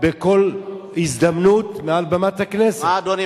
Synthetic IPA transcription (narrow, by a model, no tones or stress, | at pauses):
beko̞l | izd̪amnut̪mealbamat̪haknesad̪oani